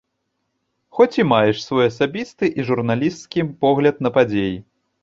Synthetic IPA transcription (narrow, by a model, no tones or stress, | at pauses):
xɔt͡sʲimajɛʂsvɔjɐsabʲist̪ɨʔiʐurnalʲist̪kʲipɔɣlʲɐt̪̚nɐpad͡zʲeji